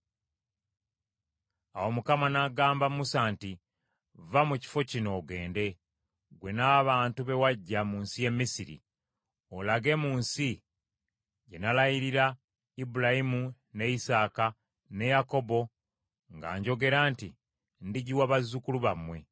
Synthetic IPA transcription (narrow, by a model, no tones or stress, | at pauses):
awo̞mukamanaɡaːmbamusaːnti | vamuci̥fo̞cino̞ːɡe̞ːnde̞ | ɡwe̞naβaːntuβe̞waɟːamuːnsije̞mːisiɾḭ | olaɡe̞muːnsi | ɟe̞nalajiɾiɾa | ibulajimu | ne̞isaːka | ne̞jako̞bo̞ | ŋɡa̰ːɲɟo̞ɡe̞ɾaːnti | ndiɟiwaβazːukuluβamwe̞